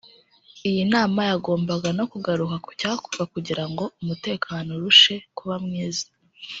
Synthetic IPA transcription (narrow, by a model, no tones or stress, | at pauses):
ijinaːmajaɡo̞ːmbaɡano̞kuɡaɾukaku̥caːku̥ɡakuɟiɾaŋɡo̞umute̞ːkʰaːno̞ɾuʃe̞kuβamŋiːzḁ